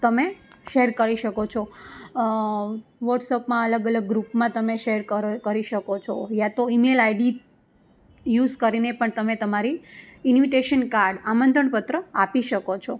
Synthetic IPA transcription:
t̪əme | ʃeɾkəɾiʃəkot͡ʃʰo | ʋəʈsəpmãələɡələɡːɾupmãt̪əmeʃeɾəkəɾiʃəkot͡ʃʰojãt̪oimelaiɖi | juzkəɾinepəɳt̪əmet̪əmaɾiɪnʋiʈeʃənkaɾɖamənd̪ʱʰəɳpət̪ɾəapiʃəkot͡ʃʰo

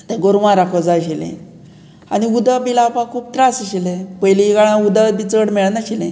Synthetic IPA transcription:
t̪ɛ̃ɡoɾʋãɾakʰɔd͡zaɕilḛ̃ | aɽ̃iud̪əbilapãkʰuːp̚t̪ɾasəɕilẽpəjliɡaɭ̃ãud̪əbit͡səɽmɛɭənaɕilẽ

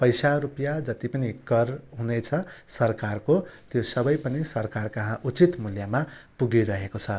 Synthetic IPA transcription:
pʌjsaɾupjad͡zʌt̪ipʌniɡʌrɦunet͡sʰʌsʌrkarkot̪josʌbʌjpʌnisʌrkarkʌɦãʔut͡sit̪muljamapuɡiɾʌɦekot͡sʰʌ

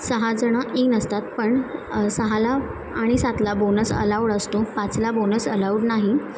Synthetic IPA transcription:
səɦad͡zəɽ̃aʔinəst̪at̪̚pəɳsəɦalaː | ɽ̃isat̪labonəsə̰laʋwɽəst̪opat͡slabonəsəlauɽnaɦi

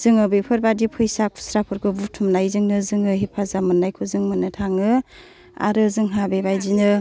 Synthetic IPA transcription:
zɯŋɯbɯjpʰɯɾbadipʰɯjsak̚pʰu̥sɾapʰɯɾkʰɯbutʰumnajzɯŋnɯzɯŋɯɦipʰazamɯnːajkʰuzɯŋmɯnɯtʰaŋɯ | a̰ɾɯzɯŋɦabebajzinɯ

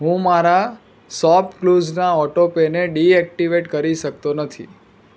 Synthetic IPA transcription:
ɦũmaɾa | sɔpkluznaɔʈopeneɖiɛk̚ʈiʋeʈkəɾiʃəkt̪onət̪ʰḭ

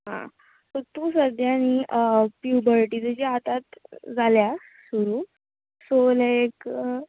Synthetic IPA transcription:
ɦã̰ | sot̪uːsəd̪jañipjubəɾʈid͡z̪əd͡ʑiat̪at̪d͡zalja | suɾuː | solajk

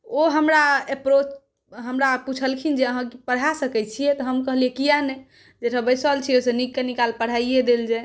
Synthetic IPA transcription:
oɦəmɾaepɾot͡ʃ | ɦəmɾaput͡ʃʰəlkʰind͡ʒeəɦãkipəɽ̤asəkɛt͡ʃʰijɛt̪ɔɦəmkəɦliɛkijanɛ | d͡ʒeʈʰəbəjsəlt͡ʃʰiosenikːenikalpəɽ̤aied̪eld͡ʒe

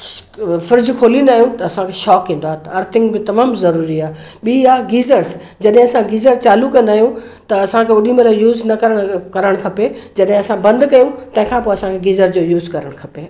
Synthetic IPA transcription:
fɪɾd͡ʑkʰoːlĩnd̪aːɦijũt̪ɐːsãkʰeʃɔːkːĩːn̆d̪oaːɦt̪ɐɐɾt̪ʰɪ̃ŋɡbɪt̪ɐmaːmzɐɾuːɾiaːɦɓiːaːɡiːzəɾs | d͡ʑɐɗɦɪ̃ɐsãɡiːzəɾt͡ɕaːlukɐ̃nd̪aːɦijũ | t̪ɐɐsãkʰeʊɗĩmɐləjuːznɐkɐɾəɽ̃kɐɾəɽ̃kʰɐped͡ʑɐɗɦɪ̃ɐsãbɐ̃nd̪kɐjũt̪ɐ̃ɦɪ̃kʰãːpoːɐsãkʰeɡiːzəɾd͡ʑoːjuːzkɐɾəɽ̃kʰɐpeː

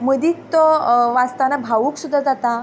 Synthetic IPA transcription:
məd̪iːtt̪oʋast̪anabʱaʋuːksud̪ʱːad͡zat̪a

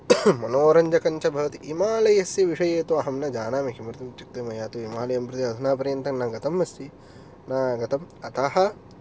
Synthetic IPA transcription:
mɐnoːɾɐɲd͡ʒɐkɐɲt͡ʃɐbʱɐʋɐt̪iʔimaːlɐjɐsjɐʋiʂɐjeːt̪uɐɦɐmnɐd͡ʒaːnaːmikʰimɾɐt̪ɐmt͡ʃik̚t̪imɐjaːt̪uimaːlɐjɐmpɾut̪iɐd̪ʱunaːp̬ɐɾjɐnt̪ɐŋnaɡɐt̪ɐmːɐst̪ʰi | naːɡɐt̪ɐmɐt̪aɦɐ̆

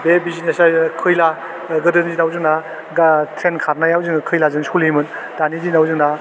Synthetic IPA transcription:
bebizinesakʰɯjla | ɡɯdɯnd͡ʒinawzɯŋna | ɡtʰɾenkʰaɾnajawzɯŋkʰɯjlazɯŋsulimɯnd̥anidinawzɯŋna

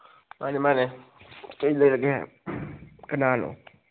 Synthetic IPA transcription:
manimanetelelaɡeɛ̰ | kənaːno̰

